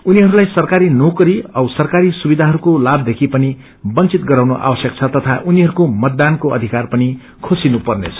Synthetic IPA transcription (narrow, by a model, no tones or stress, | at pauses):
uniɦʌɾulajsʌrkaɾinokʌɾiʌwsʌrkaɾisubid̪ʱaɦʌɾukolab̚d̪ekʰipʌni | bʌnt͡sit̪ɡʌɾaw̃noʔa̰wʌsjʌk̚t͡sʰʌt̪ʌt̪ʰaʔuniɦʌɾukomʌt̪̚ːankoʔʌ̰d̪ʱikarpʌni | kʰosinupʌrnḛt͡sʰʌ̥